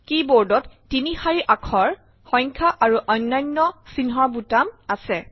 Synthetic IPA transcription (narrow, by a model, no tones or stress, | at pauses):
kiboɹdɔtːinihaɹiʔakʰɔɹ | xɔ̃jŋkʰaʔaɹuʔɔjnːajnːɔsinɦɔɹbutamasɛ